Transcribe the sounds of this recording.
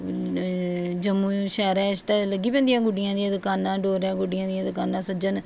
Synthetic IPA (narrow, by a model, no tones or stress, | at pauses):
d͡ʒəmːuːʃɛːɾɛːʃt̪ɛːləɡːiːpɛ̃nd̪ijãːɡʊɖɪjãːd̪ijãd̪kaːnãːɖoːɾɛ̃ːɡʊɖɪjãːd̪ijãd̪kaːnãːsəd͡ʒən